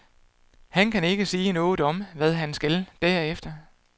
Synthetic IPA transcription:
hænkʰæne̝ɡ̥əsiːnɔ̽ːð̩ˠɒ̽mʋæðˠɦænsɡ̥æld̥æɐ̰efd̥ɐ

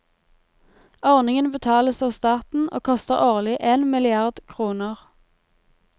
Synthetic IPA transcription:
ɔʁnɪŋənbət̪ʰɑːləsɑːʋst̪ɑːt̪n̩ʔo̰ːkʰɔst̪əʁoːʁlɪʔeːnmɪlɪɑʁd̪kʰʁuːnəʁ

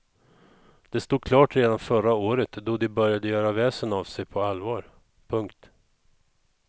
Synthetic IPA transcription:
d̪̥ɛst̪uːd̪̚kʰlɑːʈɾeːd̪anfœɾaoːɾət̪d̪ɔd̪ɪbœɾjad̪əjœːɾavɛːsənavsɛjpʰɔalvɑːɾ | pʰɵŋkt̪

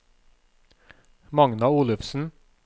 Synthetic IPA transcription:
mɑŋnɑuːlʉfsn̩

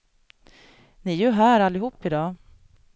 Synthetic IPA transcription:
nɪæjɵɦæːɾalːɪɦuːpːɪd̪ɑː

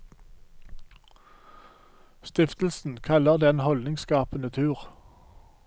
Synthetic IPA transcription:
st̪ɪft̪l̩sn̩kʰɑləʁd̪eːeːnhɔlɪŋskɑːpənət̪ʰʉːʁ

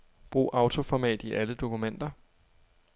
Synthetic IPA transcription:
b̥ʁṵːʔɑ̈ʊt͡sʰo̝fɒmɛ̰ːd̥iʔæləd̥o̝kʰumen̰d̥ɐ

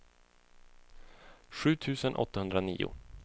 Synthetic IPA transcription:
ɧʉ̟ːt̪ʰʉ̟ːsənʔɔ̰t̪ːahɵnd̪ɾanḭːʊ̰

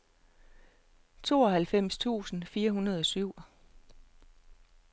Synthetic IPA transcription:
t͡sʰo̝̰ːɒ̽hælfem̰st͡sʰṵːsn̩fiːɐɦunɐð̞ˠɒ̽syʊ̰

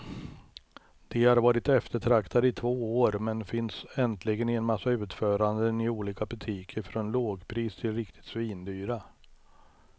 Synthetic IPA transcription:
d̪̥ɛhaɾvɑːɾɪt̪ɛft̪əʈʰɾakt̪ʰad̪əɪt̪ʰvoːoːɾmɛnfɪnsɛnt̪ʰlɪɡənɪɛnmasːaʉ̟ːt̪fœːɾand̪ənɪuːliːkabɵt̪ʰiːkʰəɾfɾɔnloːɡpʰɾiːst̪ʰɪlɾɪkt̪ʰɪ̥t̪sviːnd̪yːɾa

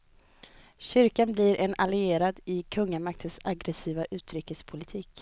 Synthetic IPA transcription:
ɕʏɾkanblɪɾʔɛnalɪeːɾad̪ɪkʰɵŋːamak̚t̪ʰənsaɡɾɛsiːvaʔʉ̟ːt̪ʰɾʏkːəspʰʊlɪt̪ʰiːk

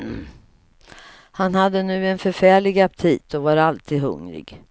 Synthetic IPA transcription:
hanhad̪ːənʉ̟ːɛnfœɾfæːɭɪɡap̚t̪ʰiːt̪ʰɔvaɾalt̪ʰiːd̪ɦɵ̰ŋɾɪ̰ɡ

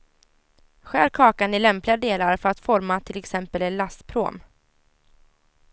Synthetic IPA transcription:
ɧæːɾkʰɑːkanɪlɛmplɪɡad̪eːlaɾfœɾat̪fɔɾmat̪ʰɪlɛksɛmpəlɛnlast̪pʰɾo̰ːm

